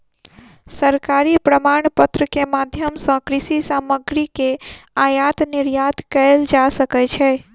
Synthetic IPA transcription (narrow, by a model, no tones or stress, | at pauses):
səɾkaɾipɾəmaɳpət̪ɾəkemad̪ʱjəmsə̃kɾisisaməɡɾikeajat̪niɾjat̪kəeld͡ʒasəkɛt͡ʃʰɛ